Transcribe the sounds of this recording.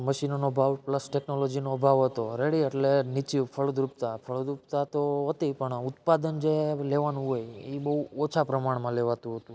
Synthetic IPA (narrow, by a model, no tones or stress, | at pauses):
məʃinonobʱaʋpləsʈeknolod͡ʒinobʱaʋɦət̪oɾeɽiəʈlenit͡ʃifʰəɭd̪ɾupt̪apʰəɭd̪ɾupt̪at̪oɦət̪ipəɳʊt̪̚pad̪ənd͡ʒeleʋanũɦojebəɦuot͡ʃʰapɾəmaɳ̃mãleʋat̪ũɦət̪ũ